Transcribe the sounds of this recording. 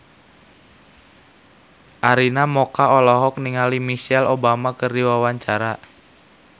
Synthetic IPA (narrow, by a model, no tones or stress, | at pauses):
ʔaɾinamɔkaɔlɔɦɔk̚niŋalimisɛlobamakərdiwawaɲt͡ʃaɾa